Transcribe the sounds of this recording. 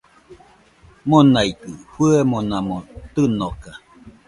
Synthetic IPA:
monait̪ɯhuemonamot̪ɨnoka

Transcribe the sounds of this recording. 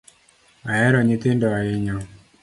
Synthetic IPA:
aɛɾɔɲɪt̪ɪndɔaɪɲɔ

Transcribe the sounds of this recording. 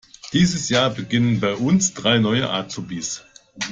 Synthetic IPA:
d̥iːzəsjaːɐbəɡɪnənbaɪʔʊnsd̥ʁaɪnɔʏəʔa̰ːt͡subiːs

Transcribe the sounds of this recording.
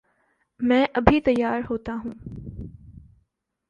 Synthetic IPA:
mɛ̃ːʔɐbʱit̪ɐjːaːɾɦoːt̪aɦũː

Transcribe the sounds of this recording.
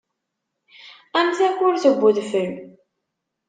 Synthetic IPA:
æmθæçʊɾθəɡʷːʊðfəl

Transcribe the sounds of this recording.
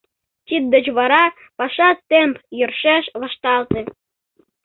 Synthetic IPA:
tʲit̪̚d̪ə̆t͡ɕβɑɾɑ | pɑʃɑt̪empjərʃeʃʋɑʃt̪ɑlt̪ĕ

